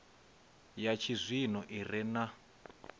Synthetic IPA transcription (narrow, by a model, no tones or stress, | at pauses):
jat͡ʃʰizʷinɔʔirɛna